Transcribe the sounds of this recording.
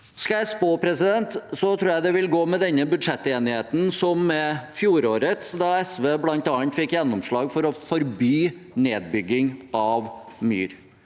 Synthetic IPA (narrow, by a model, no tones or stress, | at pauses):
skɑjæɪspoːpʰɾɛsɪd̪ɛnt̪sɔt̪ʰɾuːjæɪd̪ɛʋɪlɡoːmɛd̪ɛnːəbʉd̪ʂɛt̪ːeːnɪheːt̪n̩sɔmːɛfjuːɾoːɾət̪sd̪ɑɛsʋeːblɑnt̪ɑəɳt̪fɪkːjɛnːɔmʂɭɑːɡfɔɾɔfɔɾbyːneːd̪̚bʏɡːɪŋɑʋmy̰ːɾ